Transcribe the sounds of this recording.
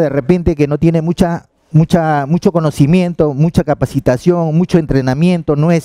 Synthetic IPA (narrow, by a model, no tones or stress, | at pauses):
ðe̞re̞pe̞nt̪e̞ke̞no̞t̪je̞ne̞mut͡ʃa | mut͡ʃamut͡ʃo̞ko̞no̞simje̞nt̪o̞mut͡ʃakapasit̪asjo̞ŋmut͡ʃo̞e̞nt̪ɾe̞namje̞nt̪o̞noes